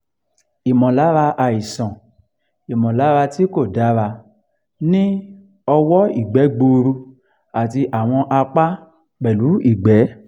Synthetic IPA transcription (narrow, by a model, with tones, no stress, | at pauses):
i˨mɔ̃˨la˨˦ɾa˧ʔa˨i˨sɔ̃˨ | i˨mɔ̃˨la˨˦ɾa˧ti˦ko˦˨da˨˦ɾa˧ | nĩ˦ | ɔ˧wɔ˦i˦˨ɡ͡bɛ˨˦ɡ͡bo˧ɾu˧ | a˨ti˧ʔa˨w̃ɔ̃˧ʔa˧k͡pa˦ | k͡pɛ˨lu˨˦i˦˨ɡ͡bɛ˨˦